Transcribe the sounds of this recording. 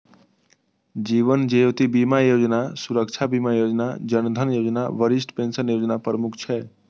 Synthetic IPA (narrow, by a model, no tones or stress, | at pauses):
d͡ʒiβənd͡ʒejot̪ibimajod͡ʒnasuɾək̚t͡ʃʰabimajod͡ʒnad͡ʒənd̪ʱənjod͡ʒna̰ʋəɾisʈpensənjod͡ʒnapɾəmukʰt͡ʃʰɛ